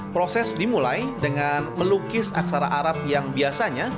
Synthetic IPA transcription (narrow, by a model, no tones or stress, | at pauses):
pɾosɛsdimulajdəŋanməlukɪsa̰ksaɾaʔaɾap̚jaŋbiasaɲa